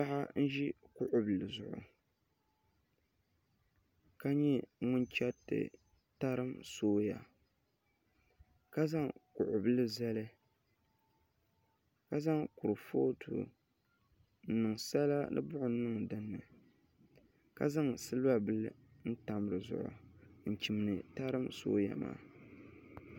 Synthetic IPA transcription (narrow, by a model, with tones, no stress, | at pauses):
pa˦ʔa˦n̩˦ʒi˦kʊ˦ʔʊ˨bɨ˨lɨ˨zʊ˨ʔʊ̰˨ | ka˦ɲɛ˦ŋʊ˦nt͡ʃɛ˦tɨ̰˨ | ta˦ɾɨ˦msoː˦ja̰˨ | ka˦za˦ŋkʊ̰˨ʔʊ˨bɨ˦lɨ˦za˦lɨ˦ | ka˦za˦ŋkʊ˨ɾɨ˨foː˦tʰṵ˨ | n̩˦˨nɨ˨ŋsa˦la˦nɨ̰˦bʊ˦ʔʊ˨˦nɨ˦ŋdɨ˦nːɨ̰˨ | ka̰˦za˦ŋsɨ˦lɨ˦ba˦bɨ˦lɨ˦ | n̩˦ta˨mɨ˨ɾɨ˨zʊ̰˨ʔʊ̰˨n̩˨t͡ʃi˨m˨nɨ˨ta˦ɾɨ˦mso̰ː˦ja̰˨ma̰ː˨